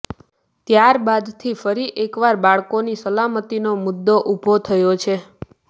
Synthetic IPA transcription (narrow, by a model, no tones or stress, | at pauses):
t̪jaɾbad̪t̪ʰifəɾiʔekʋaɾbaɭkonisəlamət̪inomʊd̪ːoʔubʱot̪ʰəjot͡ʃʰe